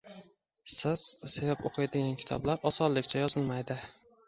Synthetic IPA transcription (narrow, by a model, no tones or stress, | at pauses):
sɪz̥sevapoqʰɨjad̪ɪɡʲankʲʰɪ̥t̪ʰɒ̰blaɾɒsɒllːɪkʲt͡ʃʰajɒzɪlˠmajd̪ɪ